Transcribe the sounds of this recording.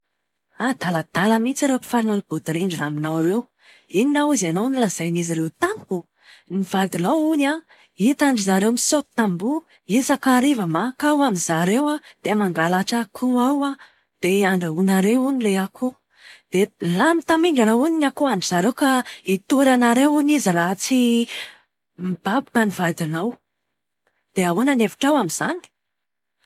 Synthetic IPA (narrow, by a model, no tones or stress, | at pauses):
ad̪̥alad̪̥aləmit͡saɾewpi̥fanulib̥ud̪iɾeɳɖ͡ʐinaminawɾew | ininawuzanonilaz̥ajniziɾewt̪ani̥ku | niv̥ad̪ilauna | it̪aɳɖ͡ʐizaɾewmisot̪t̪ambu | esakaɾivəmakawamizaɾewad̪̥emaŋɡalaʈ͡ʂakʰuawa | d̪̥eaɳɖ͡ʐaunaɾewunileakʰu | d̪̥elamit̪amiŋɡanawuninakuaɳɖ͡ʐizaɾewkait̪uɾanaɾewunizəɾat͡si | mib̥abukənivad̪inaw | d̪̥eawonanevi̥ʈ͡ʂawamiz̥ani̥